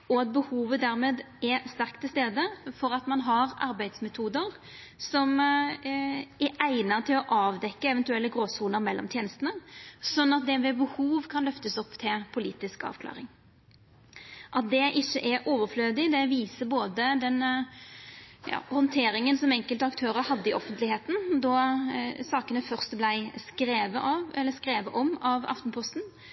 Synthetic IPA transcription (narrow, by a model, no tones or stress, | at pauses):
ɔɑt̪̚bəhuːʋəd̪æɾmeːd̪ | ɛst̪æɾkt̪ʰɪlst̪eːd̪əfɔɾɑt̪mɑnɦɑɾɑ̰ɾbæɪd̪smɛt̪ʰuːd̪əɾ | sɔm | ɛʔæɪnət̪ʰɪlɔʔɑːʋd̪ɛkːəɛʋɛnt̪ʉɛlːəɡɾoːsuːnəɾmɛlːɔ̰mt̪jeːnəst̪ənəsɔnːɑt̪̚d̪ɛmʋɛbəhuːʋkʰɑnlœft̪əsɔpːt̪ʰɪpʰʊliːt̪ɪskɑ̰ːʋkʰlɑ̰ːɾɪŋ | ʔɑt̪̚d̪ɛʔɪçːəʔɛɾʔoːʋəɾfløːd̪ɪd̪ɛʋiːsəboːd̪əd̪ɛn | jɑ̰ːhɔnt̪ʰeːɾɪŋənsɔmɛŋkəlt̪əɑkt̪ʰøːɾəɾhɑd̪ːəɪʔɔfənt̪lɪheːt̪n̩d̪ɔ | sɑːkənəfœʁst̪blæɪskɾeːʋəʔɑʋɛlːəskɾeːʋəʔɔmɑʋɑ̰ft̪npʰɔst̪n̩